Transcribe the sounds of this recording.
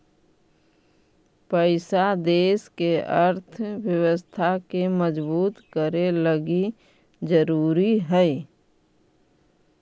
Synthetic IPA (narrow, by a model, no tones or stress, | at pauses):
pəɪsad̪eːskeəɾt̪ʰwjəwəst̪ʰakeməd͡ʒbuːt̪kəɾeləɡi | d͡ʒəɾuːɾiɦɛi